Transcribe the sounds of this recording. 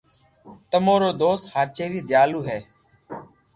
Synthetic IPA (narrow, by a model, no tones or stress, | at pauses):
t̪əmoːɾoːd̪oːst̪haːɾt͡ʃeːɾiːd̪ʱɪjaːluːɦɛː